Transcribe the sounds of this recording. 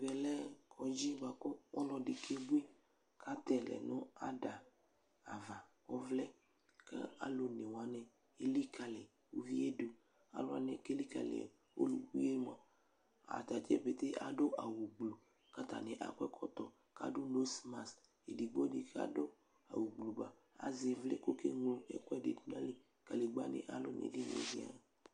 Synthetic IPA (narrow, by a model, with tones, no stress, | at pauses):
vɛ˨lɛ˦kʰɔ˨d͡ʒi˦ba˨kɔ˦wɔ˦lɔ˨di˨kʰe˦bu˦i˦ | ka˦t̪ɛ˨lɛ̰˨nɔ̃˦a˦da˨ | a̰˨va˨wɔ˦vlɛ˦ | kḛ˦a̰˨lo˨ne˨wa˨nɛ̃˨ | e˦li˦ka˨lɛ˨ | wo˦vi˦e˦do˨ | a̰˨lo˦a̰˨nɛ˨ke˦li˦ka̰˨lḛ˨ | wo̰˦lu˨ku˦e˦ma˨ | a̰˨t̪a˨t͡ʃɛ˦be˨t̪e˦a̰˨do˦ʔa˨wu˨ɡ͡blu˨ | ka˦t̪a̰˨nɛ˨ʔa̰˨kʷɛ˦kʰɔ˦t̪ɔ˨ | ka̰˨do˦no˦sma˨s | e˨di˨ɡ͡bo˦di˨ka̰˦do˦ | a˨wu˨ɡ͡blu˨ba˨ | a̰˨ze˨vle˦ko˦ke˦ŋlo˦ɛ̰˦kɛ˦˨dḛ˨tu˦nã˦le˨ | ka˨le˨ɡ͡ba˦nḛ˨ʔa˨lo˦nḛ˨di˦n˨ḛ˨di˦a̰˦